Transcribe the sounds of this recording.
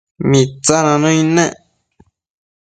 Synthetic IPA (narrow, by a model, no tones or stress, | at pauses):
mĩt͡sanãnõĩnẽ